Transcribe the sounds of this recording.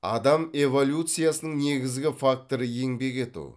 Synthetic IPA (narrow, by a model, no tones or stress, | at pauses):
ɑ̰d̪ɑme̞vo̞lʲjut̪sɨjasənəɴne̞ɡʲɪzɡʲɪfak̚t̪o̞ɾəje̞ŋbe̞ke̞t̪ṵ